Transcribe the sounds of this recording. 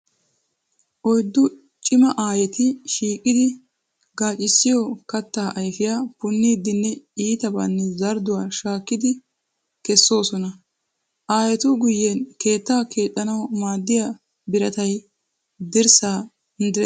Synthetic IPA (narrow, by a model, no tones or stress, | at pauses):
ʔɔjd̪ːʊ | t͡ʃʼɪmɐʔaːjɛt̪ɪʃiːkʼːɪd̪ɪ | ɡaːt͡ʃʼɪsːɪjɔkɐt̪ːaːʔɐjfɪjaːpʊnːiːd̪ːɪnːɛiːt̪ɐba̰ːnːɛzɐɾd̪ʊwaːʃaːkːɪd̪ɪ | kɛsːo̞ːsɔnɐ | ʔaːjɛt̪ʊɡʊjːɛnke̞ːt̪ːaːkʰe̞ːt̪ʼːɐnɐwmaːd̪ːɪja | bɪɾɐt̪ɐj | d̪ɪɾsaː | ɪnd̪ɪɾɛ